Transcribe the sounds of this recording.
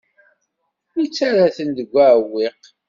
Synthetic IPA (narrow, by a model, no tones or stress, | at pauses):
it͡sːaɾaθənd̪əɡʷːaʕwiq